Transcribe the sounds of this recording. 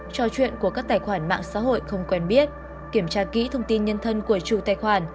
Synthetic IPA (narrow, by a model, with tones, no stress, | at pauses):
t͡ɕɔ˧t͡ɕwḭ˧˨ənku˧˩əkaː˦˥k̚t̪aː˧˩jxwaː˧˩nma̰ː˧˨ŋsa̰ː˧˥ɦo̰˧˨jxə˧wŋ͡mkwɛ˧nɓi˦˥ət̚ | ki˧˩əmt͡ɕaː˧kḭ˧˥t̪ʰə˧wŋ͡mt̪i˧nɲə˧nt̪ʰə˧nku˧˩ət͡ɕu˨˧˩t̪aː˧˩jxwaː˧˩n